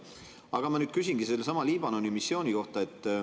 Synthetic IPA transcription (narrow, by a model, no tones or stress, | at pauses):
ɑɡ̥ɑmɑnyːd̪̥kys̬inɡiselːsɑmɑliːb̥ɑno̞nimisːjo̞ːnʲiko̞ht̪ɑe̞t̪ˑː